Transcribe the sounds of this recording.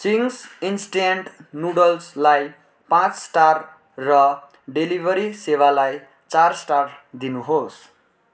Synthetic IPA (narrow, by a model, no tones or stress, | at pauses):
siŋsinsʈeɳʈnuɽʌlslaj | pãt͡ssʈar | rʌ | ɖelibʱʌɾisewalaj | t͡sarsʈard̪inuɦos